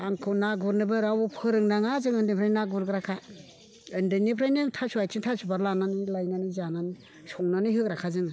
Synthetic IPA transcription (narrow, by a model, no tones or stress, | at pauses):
aŋkʰɯnaɡuɾnɯbɯɾawupʰɯɾɯŋnaŋazɯŋɯndɯpʰɾajnaɡuɾɡɯɾakʰa | ɯndɯnipʰɾajnɯtʰasuajtʰiŋtʰasubaɾlananilajnanizanani | sɔŋnanɯjhɯkɾakʰazɯŋɯ